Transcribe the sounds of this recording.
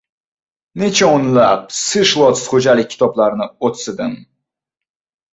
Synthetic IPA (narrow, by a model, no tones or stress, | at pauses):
net͡ʃʰaonlap̚sɨʃlˠɔt̪sχod͡ʒalɪkʲʰːɪ̥t̪ʰɒblˠaɾnɪot̪sɪd̪ɪm